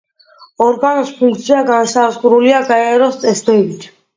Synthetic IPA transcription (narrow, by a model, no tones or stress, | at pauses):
ɔɾɡanɔspʰuŋkʰt̪sʰiaɡansazχuɾuliaɡaɛɾɔst̪sʼɛsd̪ɛbit̪ʰ